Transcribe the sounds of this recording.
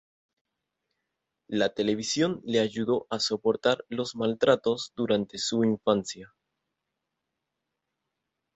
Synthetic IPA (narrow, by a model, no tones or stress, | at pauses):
lat̪e̞le̞β̞isjo̞nle̞aʝuðo̞ʔaso̞po̞ɾt̪aɾlo̞zmalt̪ɾat̪o̞zd̪uɾant̪e̞suiɱfansja